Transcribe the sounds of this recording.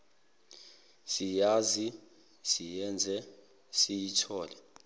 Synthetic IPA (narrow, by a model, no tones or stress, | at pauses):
sijaːzi | sijɛnd͡zʱɛ | sijitʰɔːlɛ